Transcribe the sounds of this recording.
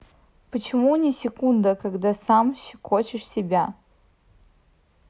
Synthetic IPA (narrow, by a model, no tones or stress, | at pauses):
pət͡ɕʰɪmunʲɪsʲɪkund̪əkaɡd̪asamɕɪkʰot͡ɕɪʂsʲɪbʲa